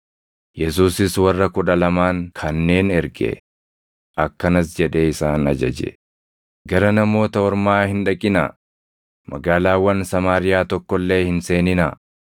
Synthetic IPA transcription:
jɛs̬uːsɪswɐrːɐkʊᶑɐlɐmaːŋkʰɐnːe̞ːnɛɾɡɛ̰ | ʔɐkːɐnɐs̬d͡ʒɛᶑeːɪsaːnɐd͡ʒɐ̰d͡ʒɛ̰ | ɡɐɾɐnɐmo̞ːt̪ɐɔɾmaːhɪnᶑɐkʼɪna̰ | mɐɡaːlaːwːɐnsɐmaːɾɪjaːt̪ɔkːɔlːe̞ːhɪnse̞ːnɪnɐ

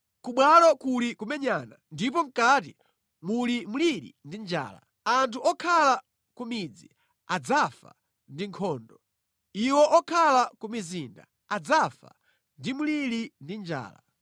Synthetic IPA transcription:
kuɓwalɔkulikumɛɲanandipɔm̩katḭ | mulimuliɾḭndind͡ʒa̰ːla̰ | antʰuʔɔkʰala | kumid͡zi | ad͡zafa̰ | ndiŋkʰɔːndɔ | iwɔʔɔkʰalakumiziːnda̰ | ad͡zafa̰ | ndimuliɾindind͡ʒa̰ːla̰

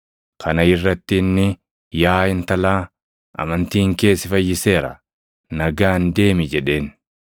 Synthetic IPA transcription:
kʰɐnɐɪrːɐt̪ːɪnːɪ | jaːɪnt̪ɐlaː | ʔɐ̰mɐnt̪iːŋke̞ːsːɪfɐjːɪse̞ːɾɐ̰ | nɐɡaːnd̪e̞ːmɪd͡ʒɛᶑe̞ːn

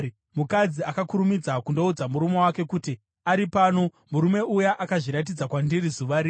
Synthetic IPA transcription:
mukad͡ziakakuɾumid͡zakundo̞ud͡zamuɾumo̞wake̞kuti | aɾipano̞ | muɾume̞ujaʔakaʐiɾat̬id͡zakwandiɾizuʋaɾi

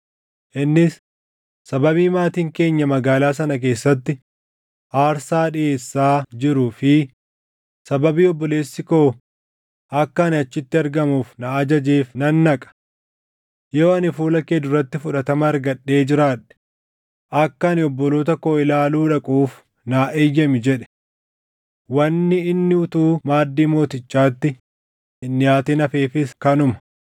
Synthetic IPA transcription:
ʔɪnːɪsː | ɐbɐβiːmaːt̪iːŋke̞ːɲːɐmɐɡaːlaːs̬ɐnɐk̬e̞ːsːɐt̪ːɪ | ʔaːɾsaːᶑɪe̞ːsːaːd͡ʒɪɾufɪ | sɐbɐbiːɔbːɔle̞ːsːɪkoː | ʔɐkːɐnɪɐt͡ʃːɪt̪ːɪɐɾɡɐmuːfnɐɐd͡ʒɐd͡ʒeːfnɐnːɐkʼɐ̥ | joːɐnɪfuːlɐkeːd̪ʊrɐt̪ːɪfʊᶑɐt̪ɐmɐɐɾɡɐᶑːe̞ːd͡ʒɪɾaːᶑɛ̥ | ʔɐkːɐnɪɔbːɔlo̞ːt̪ɐkoːɪlaːluːᶑɐkʼuːf | naːʔejːɐmɪd͡ʒɛᶑɛ̥ | wɐnːɪɪnːɪʊt̪uːmaːd̪ːiːmo̞ːt̪ɪt͡ʃːaːt̪ːɪ | ɪnːɪjaːt̪inɐfeːfɪskɐnʊmɐ̥

